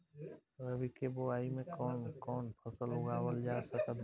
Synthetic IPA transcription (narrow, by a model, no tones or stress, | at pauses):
ɾəbikeboaːimẽkɔːnkɔːnpʰəsəlʊɡaːwəld͡ʒaːsək̪ə